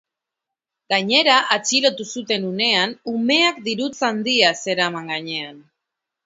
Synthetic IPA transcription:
ɡaɲe̞ɾaʔat͡ʃilo̞t̪usut̪e̞nune̞anume̞ak̚d̪iɾut͡sand̪iase̞ɾamaŋɡaɲe̞an

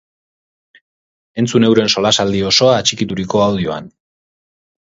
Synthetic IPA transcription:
e̞nt͡sune̞wɾe̞nso̞lasald̪io̞so̞aːt͡ʃikit̪uɾiko̞awðio̞a̰n

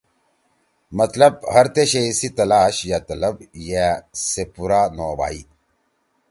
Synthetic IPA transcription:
mɐt̪lɐb̚hɐɾt̪eɕeisit̪ɐlaːɕjat̪ɐlɐbjasepuɾaːnoːba̰ːi

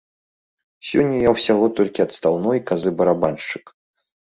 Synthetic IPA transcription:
sʲɔnʲːɐjawsʲaɣɔt̪ɔlʲkʲiɐt̪st̪awnɔjkazɨbɐɾabanʂt͡ʂɨ̥k

